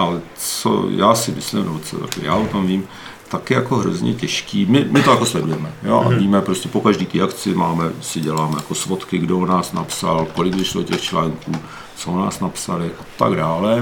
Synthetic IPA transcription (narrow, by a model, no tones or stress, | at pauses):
ʔalɛ | t͡st͡so̰ja̰ːsɪmɪslɪmnɛbot͡so̰ja̰kɪ̰ja̰ːʔot̪omviːm | t̪akɪjakoɦɾo̰zɲɛ̰cɛʃkiːmɪmɪt̪ojako̞slɛdujɛmɛjo̰ʔa̰viːmɛpɾoscɛpo̞kaʒdiːt̪ɪjakt͡sɪmaːmɛsɪɟɛlaːmɛjako̞svot̪kɪɡdoonaːsnapsa̰lkolɪɡbɪʃlocɛxt͡ʃlaːŋkuː | t͡soona̰ːsnapsalɪʔat̪a̰ɡdaːlɛ